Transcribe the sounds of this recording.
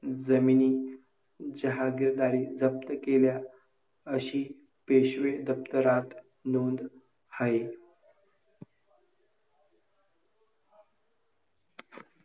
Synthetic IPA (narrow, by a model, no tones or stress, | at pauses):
d͡zəminiː | d͡ʑəɦaɡiɾd̪aɾiːd͡zəp̚t̪əkelja | əɕiː | peɕʋed̪əp̚t̪əɾat̪ | nond̪ | hai